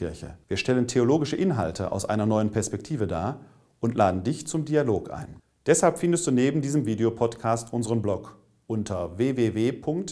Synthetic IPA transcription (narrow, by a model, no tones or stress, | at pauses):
ɪɐçə̰viːɐʃtɛləntʰeoloːɡɪʃəʔɪnɦa̰ltʰəʔa̰ʊsʔa̰ɪnɐnɔʏənpʰɛɐspɛk̚tʰiːvəda̰ːɐ | ʔʊntlʔaːdn̩dɪçt͡sʊmdialoːkʔa̰ɪn | d̥ɛshalpfɪndəstd̥uːneːbm̩diːzəmviːdeopʰɔtkʰaːstʔʊnzəʁənblɔk | ʔʊntʰɐveːveːveːpʰʊŋkt